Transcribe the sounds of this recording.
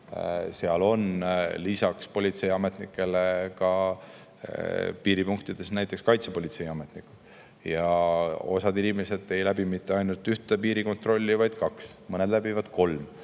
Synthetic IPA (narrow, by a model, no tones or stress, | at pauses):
seɑlo̞nlisɑkspolʲit̪se̞jɑme̞t̪ˑnikːˑe̞lekɑ | piːɾipuŋk̚t̪id̪̥e̞snæjt̪ːˑe̞kskɑjt̪sepo̞lʲit̪se̞jɑmet̪nikːˑu̥d̥ | jɑo̞̰sɑd̪inʲimese̞d̪e̞jlæbimit̪ːeɑjnult̪yht̪epiːɾiko̞nt̪ro̞lʲːivɑjd̪̥kɑksmɤne̞d̪læbivɑd̪̥kʰo̞lm